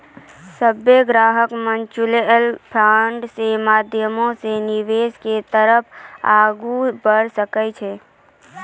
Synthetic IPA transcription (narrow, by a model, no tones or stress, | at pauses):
səbeɡɾaːɦəkmənt͡ʃuleəlpʰaɳɖsemaːd̪ʱjəmõseniʋesket̪əɾəpʰaːɡubəɽsəkɛt͡ʃʰɛ